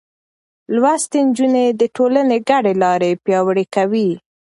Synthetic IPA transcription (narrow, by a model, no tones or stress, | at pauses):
lwast̪end͡ʒuned̪əʈolaneɡaɖelɑɾepjɑwɽekawi